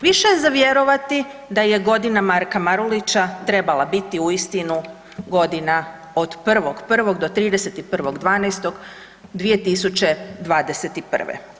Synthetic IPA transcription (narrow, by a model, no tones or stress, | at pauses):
ʋiʃejzaʋjeɾo̞ʋat̪id̪aje̞ɡo̞d̪inamaɾkamaɾulit͡ɕat̪ɾe̞balˠabit̪iuist̪inu | ɡo̞d̪ina | od̪pr̩ʋo̞ɡpr̩ʋo̞ɡd̪o̞t̪ɾiːd̪eset̪ipr̩ʋo̞ɡd̪ʋaːnest̪o̞ɡ | d̪ʋije̞t̪isut͡ɕe̞d̪ʋaːd̪eset̪ipr̰̩ʋḛ